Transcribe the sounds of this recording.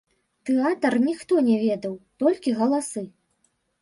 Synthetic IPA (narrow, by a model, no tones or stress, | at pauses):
t̪ɛat̪ɐrnʲixt̪ɔnʲɛvʲɛd̪ɐwt̪ɔlʲkʲiɣɐlˠasɨ